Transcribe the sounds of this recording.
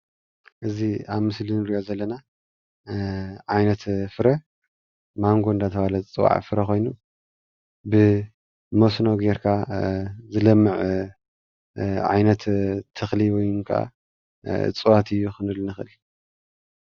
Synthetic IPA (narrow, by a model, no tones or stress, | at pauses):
ʔɨziaβmɨslinɨɾiʔo̞zɐlːɐna | ʕajnɐt̪fɨɾɐ | maŋɡond̪at̪ʰɐβalɐt͡sʼɨwa̰ʕfɨɾɐkʰo̞jnu | bɨ | mosnoɡeɾkʰa | zɨlɐmːɨʕ | ʕa̰jnɐt̪t̪ʰːɨxliwɔjŋkʰɐʔa̰ | ɨ̰t͡sʼɨwat̪ɨjːuxɨnɨlnɨxɨ̰l